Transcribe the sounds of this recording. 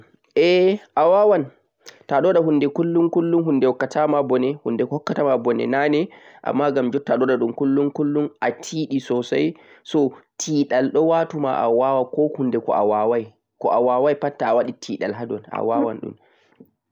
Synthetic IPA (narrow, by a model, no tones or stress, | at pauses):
ʔɛʔawawan | taɗɔɗaɦundɛkulːuŋkulːunɦundɛwɔkːatʰamabɔnɛhundɛkɔhɔkːatamabɔnɛ̰nanɛ | ʔa̰mːaɡamd͡ʒɔtːaɗɔɗaɗumkulːuŋkulːunʔatʰiːɗisɔsa̰j | sɔtʰiːɗalɗɔwaːtuma̰ʔa̰wawakɔhundɛkɔ̰ʔa̰wawaj | kɔʔawawajpatːaːwaɗitʰiːɗa̰lɦadɔna̰wawa̰nɗṵn